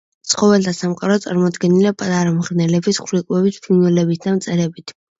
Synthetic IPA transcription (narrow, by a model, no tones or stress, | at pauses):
t̪sʰχɔvɛlt̪ʰasamqʼaɾɔt̪sʼaɾmɔd̪ɡɛnilipʼat̪ʼaɾamʁɾnɛlɛbisχɾikʼwɛbispʰinwɛlɛbit̪̚ʰd̪amt̪sʼɛɾɛbit̪ʰ